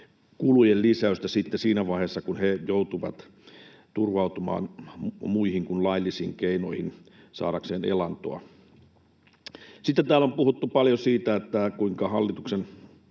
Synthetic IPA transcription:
kulujellisæøst̪æsit̪ːesiːnæʋɑihesːɑkunhejout̪uʋɑ̰t̪ | t̪urʋɑut̪umɑ̰ːnmuihiŋkunlɑilːisḭːŋkeino̰ihin | sɑ̰ːɾɑkseːnḛlɑnt̪o̰ɑ̰ | sit̪ːet̪æːlompuhut̪ːupɑljosiːt̪æet̪ːækuiŋkɑhɑlːit̪uksen

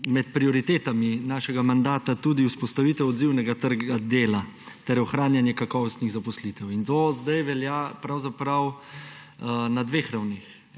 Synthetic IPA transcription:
mɛt̪̚pɾiɔɾit̪eːt̪aminaːʃɛɡamand̪aːt̪at̪ud̪iuspɔst̪aʋiːt̪ɛwɔd̪ziwnɛɡat̪əɾɡad̪eːla | t̪ɛɾɔxɾaːnjanjɛkakɔʋɔst̪niɣzapɔslit̪ɛwint̪ozd̪ajʋɛljaːpɾawzapɾaw | nad̪ʋeːxɾawnex

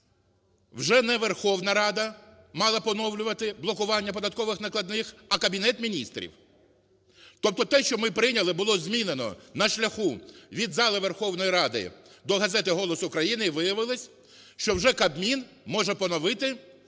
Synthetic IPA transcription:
wʒɛnɛʋerxɔwnɐɾɑd̪ɐ | mɑlˠɐpɔnɔwlʲʊʋɐt̪ɪblˠɔkʊʋɑnʲːɐpɔd̪ɐt̪kɔʋɪxnɐklˠɐd̪nɪxɐkɐbʲinɛt̪mʲinʲist̪ɾʲḭw | t̪ɔp̚t̪ɔt̪ɛʃt͡ʃɔmɪpɾɪnʲɐlˠɪbʊlˠɔzʲmʲinenɔ̰nɐʃlʲɐxuʋʲid̪zɑlˠɪʋerxɔwnɔjiɾɑd̪ɪ̰d̪ɔɦɐzɛt̪ɪɦɔlˠɔsʊʊkɾɐjinɪiʋɪjɐʋɪlˠɪsʲ | ʃt͡ʃɔwʒɛkɐbmʲin | mɔʒɛpɔnɔʋɪt̪ɪ

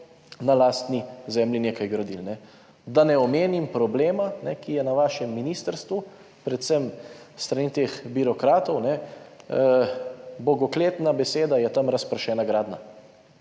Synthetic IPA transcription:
nalaːst̪nizɛmlʲineːkajɡɾod̪ilnɛ | d̪anɛɔmeːnimpɾɔbleːmanɛkijɛnaʋaːʃɛmːinist̪əɾst̪ʋu | pɾɛt̪səm | st̪ɾanit̪eːxbiɾɔkɾaːt̪ɔwnɛ | bɔɡɔkleːt̪nabɛseːd̪ajɛt̪amɾaspɾʃɛːnaɡɾaːd̪na

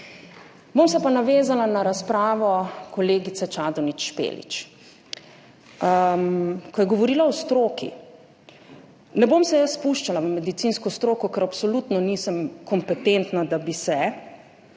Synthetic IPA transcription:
bomsɛpanaʋeːzalanaɾaspɾaːʋɔkɔleːɡit̪sɛt͡ʃaːd̪ɔnit͡ʃʃpḛlḭt͡ʃ | kɔjɛɡɔʋɔɾiːlaɔst̪ɾoːkḭ | nɛbomsɛjəsːpuʃt͡ʃalaʋəmɛd̪it̪sinskɔst̪ɾoːkɔkɛɾapsɔlut̪nɔniːsəmkɔmpɛt̪ent̪nad̪abisɛ

